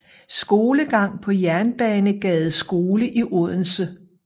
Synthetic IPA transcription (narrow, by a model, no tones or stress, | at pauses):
sɡ̥o̝ːləɡ̥ɑ̈ŋ̰pʰɒ̽jæɐnb̥ɛːnəɡ̥ɛːð̩ˠsɡ̥o̝ːləʔiʔɔð̰ˠn̩sə